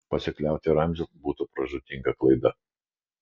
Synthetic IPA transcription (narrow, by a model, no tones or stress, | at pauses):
pɐsʲɪklʲæˑʊt̪ʲɪɾɐˑmʲʒʲobuːt̪ʊpɾɐʒʊt̪ʲiŋɡɐklˠɐɪd̪ɐ